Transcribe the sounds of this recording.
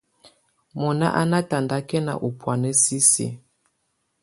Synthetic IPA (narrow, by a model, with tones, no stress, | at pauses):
mɔ˨na̰˦ʔa˦na˦ta˨nda˦kɛ˦na̰˨ʔu˨pwa˨nɛ˦si˦sḭ˨